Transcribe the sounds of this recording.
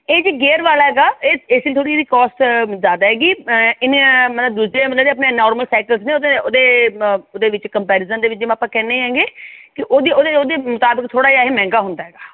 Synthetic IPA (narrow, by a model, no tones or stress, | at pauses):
eːd͡ʒiːɡeːɾʋaːlaɦɛːɡaːeːeːsɪt̪ʰoːɽiːd̪iːkɔːsʈzjaːd̪aːɦɛːɡiːɪnmət̪ləbd̪uːsɾeːmət̪ləbd͡ʒeəpneːnɔːɾməlsaːkəlsneːod̪eoːd̪eːoːd̪eːʋɪt͡ʃkəmpɛːɾɪzəmd̪eːʋɪt͡ʃd͡ʒeməpãːkɛːneːɦɛ̃ːŋɡeːkɪʔoːd̪ioːd̪eoːd̪eːmʊt̪aːbəkt̪ʰoːɽaːjaːɦeːmɛ̃ːŋɡaːɦʊnd̪aːɦɛːɡaː